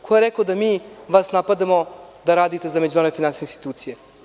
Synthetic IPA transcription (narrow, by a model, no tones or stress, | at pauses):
kʰojeɾekod̪amiːʋasnapad̪amo̞d̪aɾaːd̪it̪e̞zamed͡ʑumaɾoefinansisneinst̪i̥t̪uːt̪sije